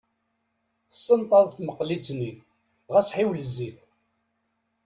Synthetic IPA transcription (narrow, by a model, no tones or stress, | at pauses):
θə̥sːənt̪ˤɑðˤθməqlit͡sːni | ʁæsħiwləzːiθ